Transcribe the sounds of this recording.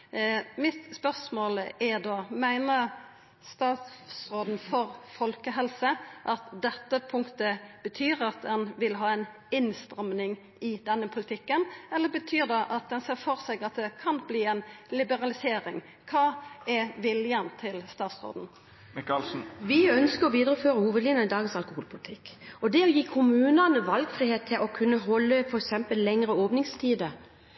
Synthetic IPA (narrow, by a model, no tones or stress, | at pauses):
mɪt̪spœʁsmoːlɛd̪oːmæɪnə | st̪ɑːt̪sʁoːd̪n̩fɔʁfɔlkəɦɛlsəʔɑt̪d̪ɛt̪ːəpʰʊŋkt̪əb̥ət̪ʰyːɾɑt̪̚d̪ɛnʋɪlɦɑːɛɪn | ɪnst̪ɾɛmnɪŋ | ɪd̪ɛnːəpʰʊlɪt̪ʰɪkːənɛlːəbət̪ʰyːʁd̪ɛʔɑt̪̚d̪ɛnseːʁfɔʁsɛɡɑt̪̚d̪ɛkʰɑnbliːɛnlɪbəʁɑlɪseːɾɪŋ | kʰɑːɛʋɪljənt̪ʰɪlst̪ɑːt̪sʁo̰ːd̪n̩ | ʋɪœnskəɾɔʋiːd̪əɾəføːɾəhuːʋəd̪liːnəɪd̪ɑːɡənsɑlkʊhuːlpʰʊlɪt̪ʰɪkːɔd̪ɛɔjiːkʰʊmʉːnɑnəʋɑlɡfɾiːheːt̪ʰːɪlʔɔkʰʉnːəɦɔlːəfɔɾɛksɛmpəllɛŋɾəoːʋnɪŋst̪ʰiːd̪ə